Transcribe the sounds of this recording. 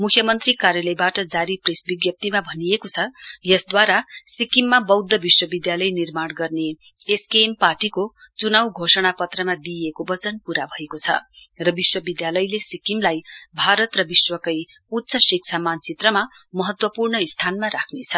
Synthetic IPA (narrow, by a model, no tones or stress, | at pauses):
mukʰjʌmʌnt̪rikaɾjʌlʌjbaʈʌd͡zaɾipresbiɡjʌp̚t̪imabʱʌnijekot͡sʰʌjʌsd̪waɾasikimːabʌwd̪ːʌbiswʌbid̪jalʌjnirmaɽɡʌrne | eskemparʈiko | t͡sunawɡʱosʌɽ̃apʌt̪rʌmad̪iekobʌt͡sʌnpuɾabʱʌekot͡sʰʌ̰rʌbiswʌbid̪jalʌjlesikimlajbʱaɾʌt̪rʌbiswʌkʌj | ut̪ːsʰʌsik̚t͡sʰamant͡sit̪rʌma | mʌɦʌt̪wʌpurɳʌist̪ʰanmaɾakʰnet͡sʰʌ